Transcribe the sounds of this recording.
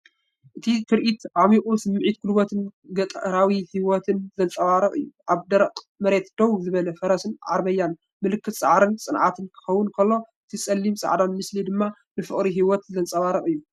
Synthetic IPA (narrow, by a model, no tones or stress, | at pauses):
ʔɨt̪ʰit̪ʰɨɾʔit̪ʔamikʼusɨmːʕit̪̚kʰulbot̪ʰɨnɡɐt̪ʼɾawihiwɔt̪ʰɨnzɐnt͡sʼɐwaɾɐχʼɨ̰jːuʔaβd̪ɐɾɐqʼ | mɐɾe̞t̪d̪̥owzɨβɐlɐfɐɾɐsɨnʕa̰ɾβɐjːan | mɨlɨkʰːɨt̪sʼa̰ʕɾɨnsʼɨnʕa̰t̪ʰɨnkʰɨ̥xɐwːʊnkʰɐlːo̞ʔɨt̪ʰisʼɐlːimsʼa̰ʕd̪anmɨslid̪ɨmːa | nɨfɨχʼɾiɦiwɔt̪zɐnt͡sʼɐwaɾɐχʼɨjːu